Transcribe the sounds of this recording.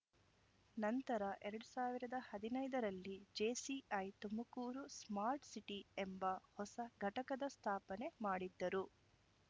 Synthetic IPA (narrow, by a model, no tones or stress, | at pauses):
nɐnt̪ɐɾɐʔɛɾɐɽusaːʋiɾɐd̪ɐhɐd̪inɐjd̪ɐɾɐlːid͡ʒeːsiɐjt̪umbɐkuːɾusmaːɾʈsiʈie̞mbɐhɔsɐɡʱɐʈɐkɐd̪ɐst̪ʰaːpɐne̞maːɽid̪ːɐɾu